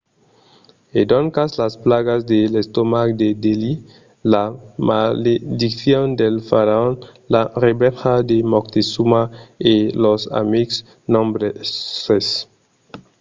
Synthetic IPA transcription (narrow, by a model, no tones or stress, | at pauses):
ed̪oŋkaslasplaɣazd̪elest̪omakd̪ed̪eli | lamaled̪ikθjond̪elfaɾaon | larebɛlxad̪emokt̪isumaelosa̰miks | nõmbɾeses